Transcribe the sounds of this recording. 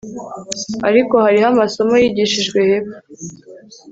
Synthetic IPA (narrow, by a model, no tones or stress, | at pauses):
aɾiko̞haɾihamaso̞majiːɟiʃiʒɡwe̞heβa